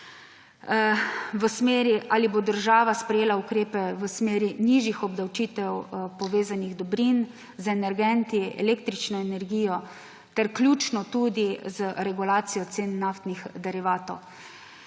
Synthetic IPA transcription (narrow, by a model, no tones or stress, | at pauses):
ʋəsmeːɾiʔaːlibod̪əɾʒaːʋaspɾɛjeːlaukɾeːpɛʋəsmeːɾiniʒixɔbd̪awt͡ʃiːt̪ɛwpɔʋeːzaniɣd̪ɔbɾin | zɛnɛɾɡɛnt̪iɛ̰lekt̪ɾit͡ʃnɔɛnɛɾɡiːjɔ | t̪ɛɾklʲjuːt͡ʃnɔt̪ud̪izəɾɛɡulaːt̪sijɔt̪seːnːaft̪nixd̪ɛɾiʋaːt̪ɔw